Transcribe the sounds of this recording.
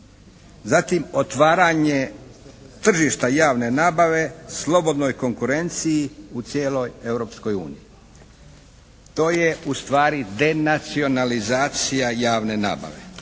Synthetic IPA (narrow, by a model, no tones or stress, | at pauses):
zat̪imo̞t̪ʋaːɾaɲe̞ | t̪r̩ʒiʃt̪ajaːʋne̞naːbaʋe̞slo̞bo̞d̪no̞jko̞ŋkuɾe̞nt̪sijiut̪sjeːlo̞je̞ʋɾo̞ːpsko̞jṵːniji | t̪o̞ːje̞ust̪ʋaːɾid̪e̞nat̪sio̞nalizaːt̪sijajaːʋne̞na̰ːba̰ʋe̞̰